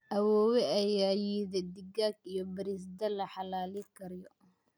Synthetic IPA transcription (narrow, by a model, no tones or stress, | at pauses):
ʔɐwɔːwɛɐjaːjiːðɛd̪ɪɡaːɡijɔbɐɾiːs̬d̪ɐlɐħɑlaːlikʰɐɾjɔ